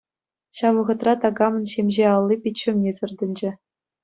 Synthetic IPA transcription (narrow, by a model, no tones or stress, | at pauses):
ɕɑʋʋɤ̆ʁɤ̆t̪rɑt̪ɑɡɑmɤ̆nɕemʲʑeɑlˠːipʲit͡ɕːɘ̆mnʲesɤ̆rd̪ʲɘ̆nʲd͡ʑɘ̆